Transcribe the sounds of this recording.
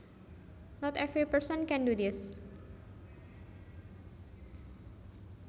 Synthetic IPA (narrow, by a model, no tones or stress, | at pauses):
nɔt̪ɛvipəɹsənkɛ̃ndud̪is